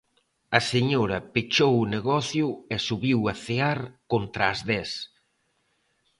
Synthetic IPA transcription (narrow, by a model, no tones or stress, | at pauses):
ɐseɲoɾɐpit͡ʃowʊneɣɔθjʊɛsuβiwɐθeaɾkont̪ɾaːzðɛs